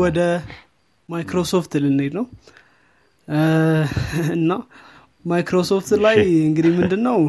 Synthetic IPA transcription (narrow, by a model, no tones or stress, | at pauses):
wɔd̪ə | majkɾosoft̪lɨned̪nəw | ɨnːa | majkɾo̞soft̪lajɨŋɡɨd̪ihmɨnd̪ɨnːəw